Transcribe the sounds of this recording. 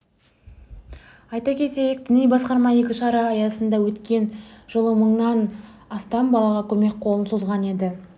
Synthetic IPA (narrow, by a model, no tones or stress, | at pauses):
ɑjt̪ɑkʲʰe̞t̪e̞jɪk̚d̪ɪnijbɑsqɑɾmɑje̞kʲɪʃɑɾɑːjɑsənd̪ɑwɵt̪kʲe̞nʒ̥əlˠəməɴnɑnɑst̪ɑmbɑlˠɑʁɑkʲʰɵme̞k̚qʰo̞lˠənsozʁɑne̞d̪ɪ